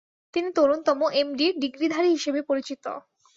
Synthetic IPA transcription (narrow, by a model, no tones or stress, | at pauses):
t̪init̪oɾunt̪ɔmoʔemɖiɾɖiɡɾid̪ʱaɾiɦiʃebepoɾit͡ɕit̪o̰